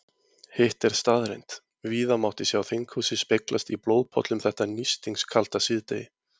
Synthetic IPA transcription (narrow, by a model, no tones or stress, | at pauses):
heht̪ɛɾ̥st̪aðɾḛjnt̪ | viːðamawht̪ɪsjawθɪŋkhusɪspejklʔast̪iploːwðpʰɔ̰t̪lʏmθɛht̪anist̪iŋskʰal̥t̪asɪðt̪ejɪ